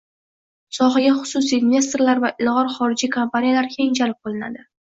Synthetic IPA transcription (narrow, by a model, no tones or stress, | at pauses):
sɒχaɡʲaχʊ̥sʊsijnvʲe̞s̬t̪ɾlaɾvaʔɪlˠʁɒɾχɒɾɪd͡ʒikʰompanijalaɾkʲʰe̞ŋd͡ʒʰalɪp̚bolˠɪna̰d̪ɪ